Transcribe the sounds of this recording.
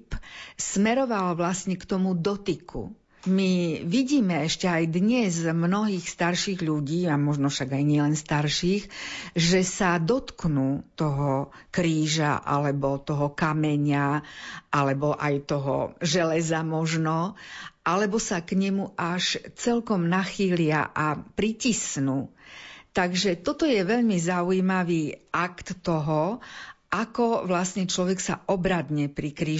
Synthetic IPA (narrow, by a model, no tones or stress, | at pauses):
psmɛɾɔʋalʋlasɲɛkt̪ɔmud̪ɔt̪ikʰṵ | miʋiɟiːmɛɛʃcɛajd̪ɲɛzmnɔɦiːxst̪aɾʃiːɣʎuɟiːamɔʒnɔfʃaɡajɲɪɛlɛnst̪aɾʃiːxʒɛsad̪ɔt̪knuːt̪ɔɦɔkɾiːʒa̰ʔa̰lɛbɔt̪ɔɦɔkamɛɲaʔalɛbɔʔajt̪ɔɦɔ̰ʒɛlɛzamɔʒnɔʔalɛbɔsakɲɛmuʔaʃt͡sɛlkɔmnaxiːlɪa̰ʔapɾicisnuːt̪aɡʒɛt̪ɔt̪ɔjɛʋɛʎmizauimaʋiːʔakt̪ːɔɦɔʔakɔʋlasɲɛt͡ʃlɔʋɛksa̰ʔɔbɾad̪ɲɛpɾikɾiː